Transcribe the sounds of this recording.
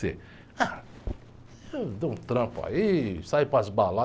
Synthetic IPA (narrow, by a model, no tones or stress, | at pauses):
e | a | ewd̪oũt̪ɾɐ̃pa̰isajpɾɐzbala